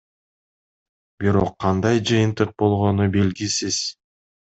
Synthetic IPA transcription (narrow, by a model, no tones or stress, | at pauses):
b̥iɾo̞qʰːɑnd̪ɑjd͡ʒɯjɯnt̪ɯq̚bo̞lˠʁo̞nube̞lɡisiz̥